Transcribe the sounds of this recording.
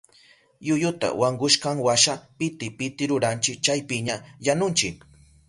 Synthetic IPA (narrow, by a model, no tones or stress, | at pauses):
jʊjʊt̪a̰waɴɢʊʃkaŋwaʃapɪt̪ɪpɪt̪ɪɾʊɾant͡ʃɪk̚t͡ʃajpɪɲajanʊnt͡ʃɪk